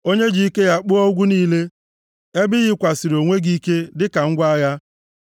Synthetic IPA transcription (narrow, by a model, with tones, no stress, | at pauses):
o˦ɲe˦d͡ʒi˦i˦ke˦ja˦k͡pʊ˦o˦ɡʷu˦niː˦le˦ | e˦bɪ˦ɣɪ˦kʷa˨sɪ˨ɾo˨ŋʷe˦ɡi˦ke˦dɪ˦ka˨ŋ̩˦ɡʷa˦ja˦